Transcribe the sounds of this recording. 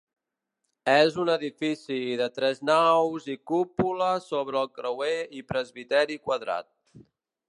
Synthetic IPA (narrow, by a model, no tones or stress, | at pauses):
ɛzunəðifisiðət̪ɾɛznawzikupuləsoβɾəːlˠkɾəweipɾəzβit̪ɛɾikwəðɾa̰t̪̚